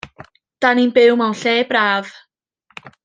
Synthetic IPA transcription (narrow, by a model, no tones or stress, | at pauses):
d̥aninbɪwmawnɬɛːbɾaːv̥